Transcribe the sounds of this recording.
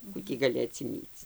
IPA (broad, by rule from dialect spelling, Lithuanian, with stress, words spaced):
ˈkuː tʲiː ɡɐˈlʲɪ ɐtʲsʲɪˈmʲiːt͡s